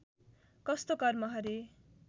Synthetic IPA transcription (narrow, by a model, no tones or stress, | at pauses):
kʌst̪okʌrmʌɦʌɾe